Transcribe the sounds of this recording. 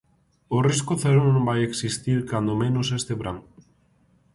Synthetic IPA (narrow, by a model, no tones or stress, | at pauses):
oriskoθeɾonombajeksist̪iɾkand̪omẽnosest̪eβɾaŋ